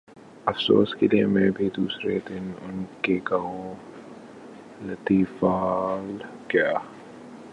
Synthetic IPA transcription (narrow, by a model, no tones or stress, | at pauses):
ɐfso̰ːskeliemɛ̃ːbʱid̪uːsɾed̪ɪnʊnkekɐɦõ | lɐt̪iːfaːl | kjaː